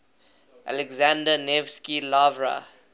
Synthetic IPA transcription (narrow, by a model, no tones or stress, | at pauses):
ʔa̰lɛɡzãndənevskilavɹa̰